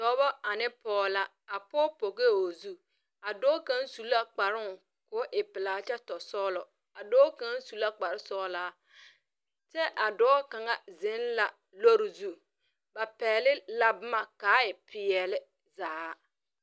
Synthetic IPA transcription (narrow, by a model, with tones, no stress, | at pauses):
tɔ˨˦bɔ˦a˨nɪ˦pɔː˦la˦ | a˨pɔː˦po˨ɣe˦˨o˨zu˦ | a˨dɔː˦ka˦nsu˨la˦k͡pa˨ɾɪ˦˨ | kʊ˨˦ʔɪ˨pɪ˨laː˨t͡ʃɛ˦tɔ˨sɔː˦lɔ˨ | a˨dɔː˦ka˦nsu˨la˦k͡pa˨ɾɪ˦sɔː˦laː˦ | t͡ʃɛ˦ʔa˨dɔː˦ka˨ŋa˦zɪ˨˦nla˨ | lo˦ɾɪ˨zu˦ | ba˨pɛː˨lɪ˦la˨bʊ˦ma˨kaː˨˦ɪ˨pʰɪ˨ɛ˨lɪ˦ | zaː˨˦